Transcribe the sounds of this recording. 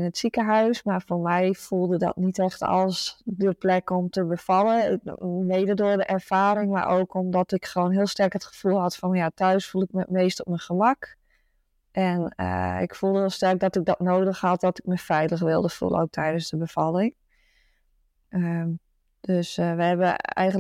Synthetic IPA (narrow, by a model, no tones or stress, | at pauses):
nətsikəɦœɥsmarfomɛjfulˠdədɔ̰tnitɛxtɔ̰lˠsdəplɛkomtəbəfɑlˠəʋeːdədʊərdəʔɛrfaːɾɪŋma̰ɹʔoːwkʰomdɔtɪkxəʋoːnɦɪːlˠstɛrkətχə̥fulˠɦɔtfɔnjatʰœɥsfulˠɪk̚mətmeːstɔp̚mənxəmak | ʔɛnə̰ɪ̰kfulˠdəɦɪəlˠstɛrk̚dɔtɪk̚dɔtnoːdəxhɑt̚dɔtɪ̥k̚məfɛjtləxʋɪlˠdəfṵlˠə̰o̰wk̚tʰɛjdənzdəbəfɑlˠɪŋ | ə | d̥øsʋəɛbəɛ̰jɣən